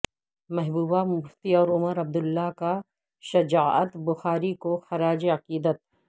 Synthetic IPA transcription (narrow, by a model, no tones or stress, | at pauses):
mɛɦbuːbamʊft̪iɔːɾʊməɾɐb̚d̪ʊlːaka | ʃɐd͡ʒaːə̰t̪bʊxaːɾikoxɐɾaːd͡ʒiɐqiːd̪ət̪̚